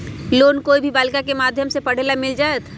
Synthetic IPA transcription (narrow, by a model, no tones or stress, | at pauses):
loːnkoːibʱibaːlkakemaːd̪ʱjəmsepəɽ̤eːlamɪld͡ʒaːet̪ʰ